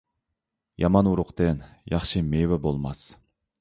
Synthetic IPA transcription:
jɑmɑnuɾʊqt̪ɨnjɑχʃɨmewɛbolˠmɑs

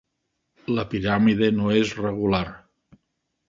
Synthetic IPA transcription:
ləpiɾamiðenoezreɣ̞ulaɾ

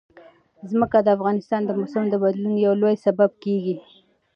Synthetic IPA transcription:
zməkad̪əafɣɑnɪst̪ɑnd̪əmʊsamd̪əbad̪lunjawlojsabab̚keɡi

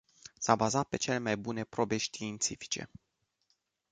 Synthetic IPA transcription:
sabazat̪̚pe̞t͡ʃe̞le̞majbune̞pɾo̞be̞ʃt̪iːnt̪sifi̥t͡ʃe̞̰

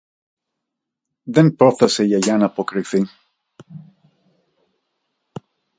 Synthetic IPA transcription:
ðenpɾoθɐse̞ʝɐʝɐnɐpo̞kɾiθi

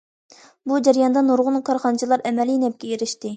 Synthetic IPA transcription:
bud͡ʒɛɾijɑnd̪ɑnoɾʁʊnkʰɑɾχɑnɨt͡ʃʰilˠɑɾɛmɛlinɛp̚kʲɛeɾɪʃt̪ɪ

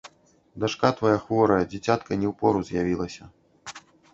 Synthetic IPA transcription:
d̪aʂkat̪vɐjaxvɔɾɐjɐd͡zʲit͡sʲat̪kɐnʲɛwpɔɾuzʲjavʲilˠɐsʲɐ

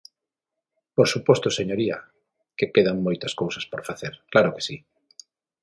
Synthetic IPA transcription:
poɾsupɔst̪oseɲoɾiɐ̰ | kepeðaŋmojt̪ɐskowsɐspoɾfaθeɾklaɾʊke̥si

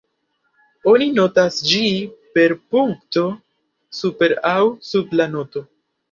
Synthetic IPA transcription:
o̞nino̞tasd͡ʒipe̞ɾpuŋkto̞ | supe̞ɾawsublano̞to̞

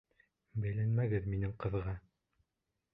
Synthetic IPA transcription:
bæ̆jlænmæɡɘðminɘŋqɤ̆ðʁɑ

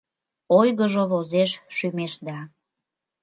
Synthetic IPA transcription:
ojɣəʒoβozeʃʃymeʃd̪ɑ

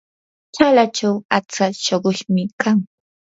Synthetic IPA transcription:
t͡ʃalat͡ʃawat͡saʃoɢʊʃmɪkaŋ

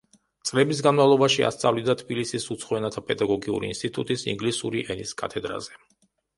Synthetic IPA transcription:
t̪sʼlɛbisɡanmavlˠɔbaʃia̰st̪sʼavlid̪at̪ʰbilisisut̪sʰχɔɛnat̪ʰapʼɛd̪aɡɔɡiṵɾḭinst̪ʼit̪ʼṵt̪ʼisḭŋɡlisuɾiʔɛniskʼa̰t̪ʰɛd̪ɾa̰zɛ

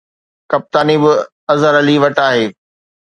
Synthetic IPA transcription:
kɐp̚t̪aːnibɪ | ɐzəɾɐliʋɐʈaːɦeː

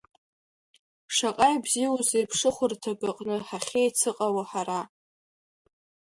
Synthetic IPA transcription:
ʂaqʼajbziwuzejpʰʂɨχʷʊrtʰaɡɨqʼnɨħaχʲejt͡sʰɨqʼawaħaɾa

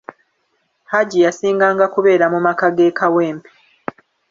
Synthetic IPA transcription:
haɟijasiːŋɡaːŋɡakuβe̞ːɾamumakaɡe̞ːkʰaweːmpe̥

